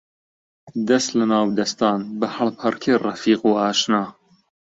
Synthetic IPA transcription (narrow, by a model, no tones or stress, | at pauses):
d̪ɐst̪lɐnaːwd̪ɐst̪aːnbɐhɐlpʰɐɾkʰeːrɐfiːquːaːʃnaː